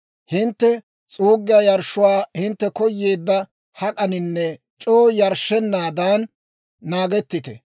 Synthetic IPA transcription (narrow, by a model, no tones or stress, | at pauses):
hɪnt̪ːɛ | t͡sʼuːɡːɪjaːjɐɾʃʊwaːhɪnt̪ːɛkɔjːe̞ːd̪ːɐ | hɐkʼɐnɪnːɛ | t͡ʃʼoːjɐɾʃɛnːaːd̪aːnː | aːɡɛt̪ːɪt̪ɛ̰